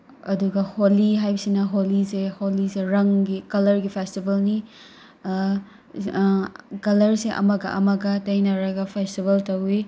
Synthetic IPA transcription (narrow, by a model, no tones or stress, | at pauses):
ɐduɡɐholiɦajbɐsinɐɦoliseholiseɾɐŋɡikɐlɐɾɡipʰestibɐlni | kɐlɐɾseʔɐ̰mɐɡɐ̰ʔɐ̰mɐɡɐtɐjnɐɾɐɡɐpʰestibɐltɐwi